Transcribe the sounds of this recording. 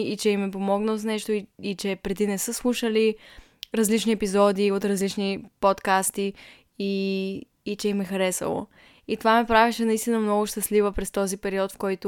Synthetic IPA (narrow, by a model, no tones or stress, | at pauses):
it͡ʃɛimːɛp̬omɔɡnəlˠznɛʃt̪oiit͡ʃɛpɾɛd̪inɛsɤslˠuʃəli | ɾɐzlit͡ʃniɛpizɔd̪iot̪ɾɐzlit͡ʃnipot̪kast̪i | iː | t͡ʃɛimɛxɐɾɛsə̰lˠo̰ | it̪ovamɛpɾavɛʃɛnɐist̪inəmnɔɡʊʃt̪əslivəpɾɛst̪ɔzipɛɾiɔt̪fkɔjt̪o